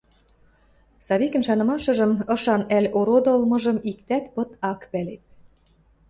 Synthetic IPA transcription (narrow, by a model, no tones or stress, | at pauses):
sɑβikə̆nʃɑnɤ̆mɑʃɤ̆ʒɤ̆mɤ̆ʃɑnælʲoɾod̪olmɤ̆ʒɤ̆mikt̪æt̪pɤ̆t̪ɑkpælep̪̚